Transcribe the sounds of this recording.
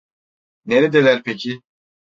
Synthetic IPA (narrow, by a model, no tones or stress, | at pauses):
neɾed̪elæɾpʰecʰi